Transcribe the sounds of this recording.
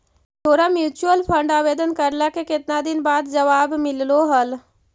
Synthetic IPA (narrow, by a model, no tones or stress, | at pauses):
t̪ʰoːɾamjuːt͡ʃuəlpʰə̃ɳɖaːʋeːd̪ənkəɾlakekɪt̪nad̪ɪnbaːd̪d͡ʒəʋaːbmɪlloɦəl